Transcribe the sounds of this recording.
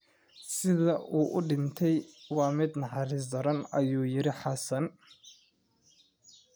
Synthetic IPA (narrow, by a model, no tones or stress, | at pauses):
sɪðɐʔuːʔʊɖɪnt̪ʰɛjwɑːmɪd̪nɑħɑɾɪs̬d̪ɔɾɐnɐjuːjɪɾɪħɑsɐn